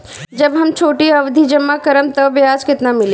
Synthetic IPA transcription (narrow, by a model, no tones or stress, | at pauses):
d͡ʒɐbɦɐmt͡ʃʰoːʈiɐʋd̪ʱid͡ʒɐmːakɐɾəmt̪ɐʋjaːd͡ʒkɪt̪namɪle